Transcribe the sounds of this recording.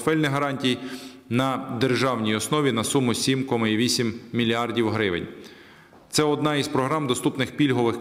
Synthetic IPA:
fɛlʲnɪɦɐɾɑnʲtʲij | nɐd̪erʒɑwnʲijɔsnɔʋʲinɐsumʊsʲimkɔmɐiʋʲisʲimːʲilʲiɑrdʲiwɦɾɪʋɪ̰nʲ | t̪sɛɔd̪nɑispɾɔɦɾɑmd̪ɔst̪upnɪxpʲilʲɦɔʋɪx

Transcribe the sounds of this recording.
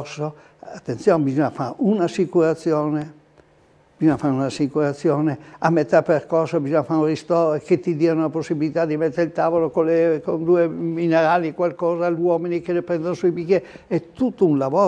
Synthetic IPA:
so | at̪ːent̪sjoːnebizɔɲːafaɾeunasikuɾat̪sːjoːne | b̥izɔɲːafaɾeunasːikuɾat̪sːjoːneamːet̪ːaperkorsobizɔɲːafaɾunrist̪ɔːɾeket̪ːid̪iːanolaposːibilit̪ad̪imet̪ːeɾeilt̪aːvolokolekond̪uemineɾaːlikwalkɔːzaʎwɔːminikelepɾɛnd̪onosuibikjeɛt̪ut̪ːounlavoː

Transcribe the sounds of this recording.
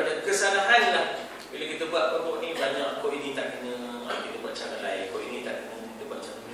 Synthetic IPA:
adakəsanaɦanlah | bilokit̪əbuat̪̚koʔkɔʔnibaɲaʔkɔʔinĩt̪aʔkəɲə̃ə̰mkit̪əbuaʔ̚t͡ʃaɾalaɪkɔʔinĩt̪a̰ʔkəɲəkit̪əbuat̪̚t͡ʃaɾa

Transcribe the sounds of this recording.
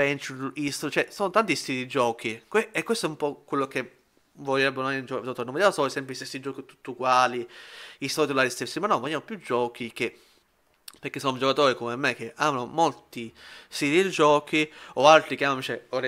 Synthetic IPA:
pɛnt͡ʃuist̪ot͡ʃɛsɔːnot̪ant̪ist̪iɾid͡ʒɔːk̟ikeekːwest̪ɔɛumpɔkwelːoke | volɛbːɾnand͡ʒɔkd̪oat̪oɾinõmvod̪jamosɔesɛmpɾist̪esːid͡ʒɔːkit̪u̥t̪ːuɡwaːliisɔɾit̪ulaɾist̪esːimanːɔvoljaːmopjud͡ʒːɔːk̟ike | peɾkesːɔnod͡ʒokat̪oːɾikomemːek̟ːeʔamnomolt̪isiɾid͡ʒɔːk̟iɔalt̪ɾik̟eammit͡ʃɛoɾɛ

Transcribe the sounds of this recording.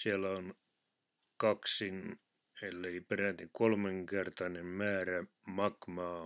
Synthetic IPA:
siælæon | kɑksin | elːeiperæt̪ːikolmeŋkert̪ɑnemmæːræmɑkmɑː

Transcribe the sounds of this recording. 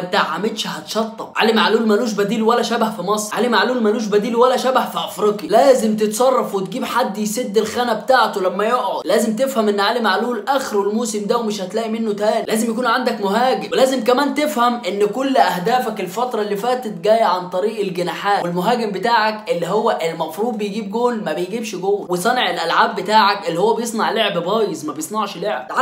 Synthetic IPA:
t̪aʕʕamed̪ʃhɑt̪ʃɑt̪ˤːɑbʕa̰lemʕaluːlmæluːʃ̬bæd̪iːlwælːæʃæbahfimɑsˤɾʕalemʕaluːlmæluːʃ̬bæd̪iːlwælæʃæbahfiʔɑfɾiːqjilæːzɪmt̪et̪sˤɑrˤːɑfwet̪̚ɡiːbħad̪ːised̪ːelxæːnæbet̪aːʕt̪olæmːæjoʔʕod̪læːzemt̪efhæmʔenːʕalemʕaluːlʔæxɾwelmoːsɪmd̪æwemɪʃhæt̪læːʔimenːot̪æːnlæːzɪmjæk̬uːnʕand̪ækmoɦæːɡɪmwlæːzemkæmæːnt̪efhæmʔenːkolːʔæhd̪æːfækelfɑt̪ɾˤɑlːiːfæːt̪et̪ɡæːjʕant̪ˤɑɾiːʔelɡenaːħaːtwelmoɦæːɡembet̪aːʕækʔelːiɦowːæʔelmɑfɾˤuːd̪̚ˤbejɡiːb̚ɡoːlmæbejɡiːbʃɡoːwesˤɑnɑʕelʔælʕaːbːet̪aːʕækʔelːihowːæbejesˤnɑʕleʕbbæːjesˤmæbejesˤnɑʕʃleʕb

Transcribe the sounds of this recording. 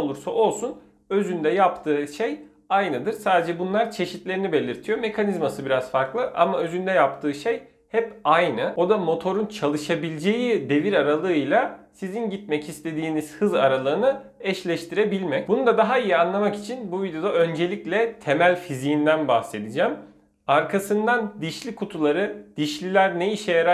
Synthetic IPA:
lˠuɾsaʔo̞lˠsun | ø̞zynd̪ɛjapt̪ʰɯːʃej | ajnɯd̪ɯɾsaːd̪ed͡ʒɛbunlˠaɾt͡ʃʰe̞ʃit̪lʲe̞ɾinibe̞lʲiɾt̪ʰijome̞kʰanizmasɯbiɾaz̥faɾklˠɯʔa̰maøzynd̪ɛjapt̪ʰɯːʃej | hɛpajnɯo̞d̪amo̞t̪ʰo̞ɾunt͡ʃʰalˠɯʃabilʲd͡ʒe̞jid̪e̞viɾaɾalˠɯɯjlʲˠasizinɟit̪̚mɛcist̪ʰe̞d̪iːniz̥hɯza̰ɾalˠɯɯnɯ | ɛʃlʲɛʃt̪ʰiɾebilʲmɛc̚bunud̪ad̪aɦaijianlˠamaki̥t͡ʃʰinbuvʲid̪eo̞d̪aø̞nd͡ʒe̞lʲiclʲɛt̪ʰe̞mælʲfizijind̪ænbahse̞d̪id͡ʒam | aɾkʰasɯnd̪and̪iʃlʲikʰut̪ʰulˠaɾɯd̪̥iʃlʲilʲæɾneiʃɛjaɾ

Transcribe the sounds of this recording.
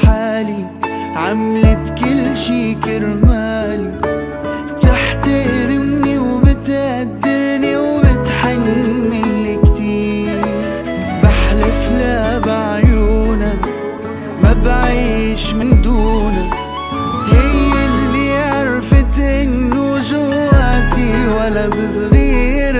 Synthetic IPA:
ħaːli | ʕamlɪt̪kɪlːʃiːkɪɾmaːli | b̥t̪ɪħt̪aɾɪmniwbɪt̪ʔad̪ːɪɾniwbɪt̪ħanɪːɪlːkt̪iːɾ | baħlɪflabaʕjuːna | mabʕiːʃmɪnd̪uːna | hɪjːɪlːiʕɪɾˤfɪt̪ʔɪnːʊʒʊwwaːt̪iwalːabɨsˤɣiː | ɾ

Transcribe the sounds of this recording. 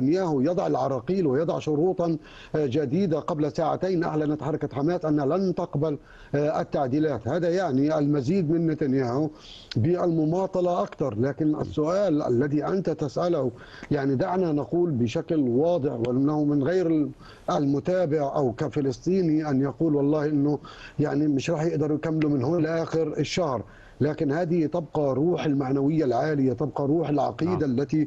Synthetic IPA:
anjaːhʊjɑd̪ˤɑʕɪlʕɑɾˤɑːqiːlwɪjɑd̪ˤɑʕʃʊɾuːt̪ˤɑn | d͡ʒad̪iːd̪aqablasaːʕa̰t̪ajnʔa̰ʕlanat̪ħɑrˤːɑkat̪ħamaːsʔanːhalant̪aqbal | ʔɪt̪ːaʕd̪iːlaːt̪haːðajaʕniʔalmaziːd̪mɪnːɪt̪anjaːhʊ | bɪʔalmʊmɑːt̪ˤɑlɑʔakt̪ɑɾˤlaːkɪnʔɪ̰sːʊʔaːlʔa̰lːaðiʔant̪at̪asʔalh | jaʕnid̪aʕnanaquːlbɪʃaklwɑːd̪ˤɨħwɪʔɪnːahʊmɪnɣajɾɪ | ʔalmʊt̪aːbɪʕʔa̰wkafɪlɨsˤt̪ˤiːniʔanjɑquːlwɑlˤːɑːhʔɪnːʊjaʕnimɪʃɾˤɑːħjɪʔd̪ɑɾˤjkamːlumɪnɦoːlʔaːxɪɾɪʃːahɾ | laːkɪnhaːd̪ɪt̪ɑb̚qɑɾˤuːħɪlmaʕnawɪjːalʕaːlɪjat̪ɑb̚qɑɾˤuːħɪlʕɑ̰qiːd̪alːat̪i

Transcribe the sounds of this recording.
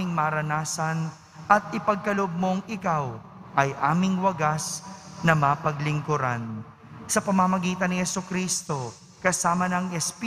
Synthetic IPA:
ɪŋmɐːɾɐnaːsɐn | ʔɐt̪̚ɪpɐɡ̚kɐloʔob̚mo̞ŋɪkaw | ʔɐjʔaːmɪŋwɐɡasnɐmapɐɡlɪŋkʊɾa̰n | sɐpɐmɐmɐɡiːt̪ɐnɪhɛsokɾiːst̪o̞ | kɐsaːmɐnɐŋɛsp

